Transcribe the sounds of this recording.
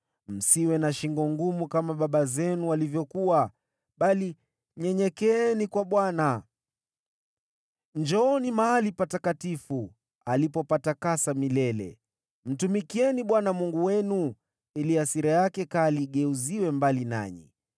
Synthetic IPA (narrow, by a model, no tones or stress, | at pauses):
m̩siwɛnaʃiŋɡɔŋɡumukamaɓaɓazɛnualivjɔkuwa | ɓali | ɲɛɲɛkɛɛnikwaɓwana | nd͡ʒɔːnimaalipatakatifu | alipɔpatakasamilɛlɛ̰ | m̩tumikiɛniɓwanamuŋɡuwɛnu | iliasiɾɛjakɛkaliːɠɛuziwɛmbalina̰ɲḭ